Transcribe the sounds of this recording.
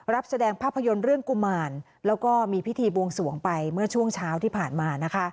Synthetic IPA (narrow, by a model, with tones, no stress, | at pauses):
ɾa˦˥p̚sa˧dɛː˧ŋpʰaː˥˩pʰːa˧jo˧nɾɯ˥˩əŋku˨˧˩maː˧n | lɛː˦˥wkɔː˥˩miː˧pʰi˦˥t̪ʰiː˧bu˧əŋsu˨˩˦əŋpa˧jmɯ˥˩ɐt͡ɕʰu˥˩əŋt͡ɕʰaː˦˥wt̪ʰiː˥˩pʰaː˨˩nmaː˧na˦˥kʰa˦˥ʔ